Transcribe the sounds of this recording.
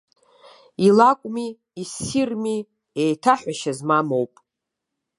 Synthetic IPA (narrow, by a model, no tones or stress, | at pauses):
ilakʷʼmiː | sirmi | ejtʰaħʷᶣaʃazmamowpʼ